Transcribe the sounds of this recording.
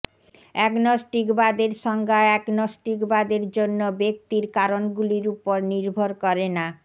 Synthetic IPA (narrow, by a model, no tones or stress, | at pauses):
ɛknɔsʈikbad̪eɾʃɔŋɡaɛknɔsʈikbad̪eɾd͡ʑonːobek̚t̪iɾkaɾonɡuliɾupoɾniɾbʱoɾkɔɾena